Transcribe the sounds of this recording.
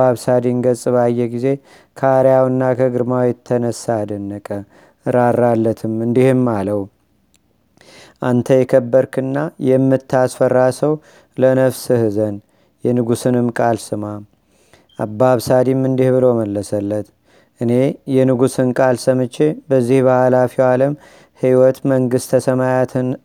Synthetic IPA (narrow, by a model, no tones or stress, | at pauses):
aβsad̪iŋɡəsʼɨβajːɛɡize̞ | kʰəaɾjawɨnːakʰəɡɨɾmawjɛt̪ʰːənəsːad̪ənːəkʼə | ɾarːalːət̪ʰɨmɨnd̪ihɨmːaləw | ʔant̪ʰəjɛkʰəbːəɾkʰɨnːajɛmːɨt̪ːasfərːasəw | lənəβsɨhɨzən | jɛnɨɡusɨnɨmkʼalsɨma | ʔabːaβsad̪imːɨnd̪ihbɨlo̞məlːəsəlːət̪ | ʔɨne̞jɛnɨɡusɨnkʼalsəmɨt͡ʃːebəzːihbəhalafiwaləm | hiwɔt̪məŋɡɨst̪ʰəsəmajat̪ʰɨn